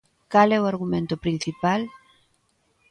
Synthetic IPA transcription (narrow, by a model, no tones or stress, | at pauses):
kalɛoaɾɣumẽnt̪ʊpɾin̟θipal